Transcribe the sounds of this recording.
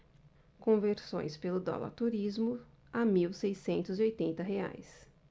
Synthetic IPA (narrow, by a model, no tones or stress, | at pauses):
kõveɾsõ̰j̃spelʊd̪ɔ̰lɐ̰ɾt̪uɾizmʊ | amiwsejsẽnt̪ʊziojt̪ẽnt̪ɐɦea̰js